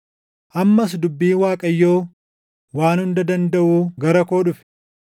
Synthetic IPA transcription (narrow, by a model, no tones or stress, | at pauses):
ʔɐmːɐs̬d̪ʊbːiːnwaːkʼɐjːoː | waːnhʊnd̪ɐd̪ɐnd̪ɐʔuːɡɐɾɐkoːɗᶑʊfɛ̥